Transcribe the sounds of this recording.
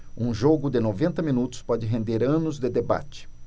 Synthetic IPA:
ũʒoɡʊd̪ɪnovẽnt̪ɐminut̪ʊ̥spɔd͡ʒɪɦẽnd̪eɾɐ̃nʊzd̪ɪd̪eba̰t͡ʃɪ̥

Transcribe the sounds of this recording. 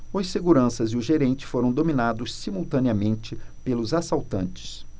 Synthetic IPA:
ʊsseɡuɾɐ̃sɐzɪʊʒeɾẽnt͡ʃɪ̥foɾɐ̃w̃d̪ominad̪ʊssimuwt̪ɐ̃niɐmẽnt͡ʃɪpelʊzasawt̪ɐ̃nt͡ʃɪ̥s

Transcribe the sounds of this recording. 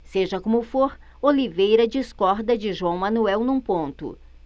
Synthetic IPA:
seʒɐkõmʊfoɾ | olivejɾɐd͡ʒiskɔɾd̪ɐd͡ʒɪʒuɐ̃w̃mɐ̃nuɛwnũpõnt̪ʊ̰

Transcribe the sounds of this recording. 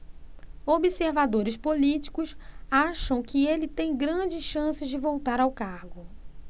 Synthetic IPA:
obiseɾvad̪oɾɪspolit͡ʃi̥kʊsaʃɐ̃w̃kɪelɪt̪ẽj̃ɡɾɐ̃d͡ʒɪsʃɐ̃sɪzd͡ʒɪvowt̪aɾawkahɡʊ

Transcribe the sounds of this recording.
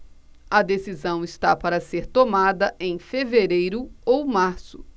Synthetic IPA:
ɐd̪esizɐ̃w̃ɪst̪apaɾɐseɾt̪omad̪ɐʔẽj̃feveɾejɾʊowmaɾsʊ̥

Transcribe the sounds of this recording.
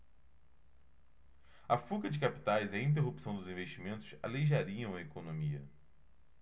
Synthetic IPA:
ɐfukɐd͡ʒɪkapi̥t̪ajziɐĩnt̪̬eɦupi̥sɐ̃w̃d̪ʊzĩveʃt͡ʃimẽnt̪ʊ̥sa̰lejʒaɾiɐ̃w̃ɐekonõmiɐ̰

